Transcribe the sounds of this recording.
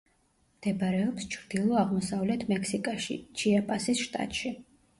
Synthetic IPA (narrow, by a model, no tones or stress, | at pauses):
md̪̥ɛbaɾɛɔpst͡ʃʰɾd̪̥ilˠɔaʁmɔsavlɛt̪ʰmɛksikʼaʃḭt͡ʃʰiapʼasisʃt̪ʼa̰t̪ʼʃi